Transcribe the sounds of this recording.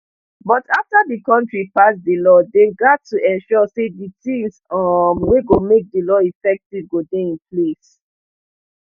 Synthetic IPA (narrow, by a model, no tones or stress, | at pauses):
bɔtʰaftadikɔ̃ntɹipasdəlɔdeɡatʰːuʔɛ̃nʃɔseditĩmsɔmweɡomek̚dəlɔifɛk̚tivɡodeĩnples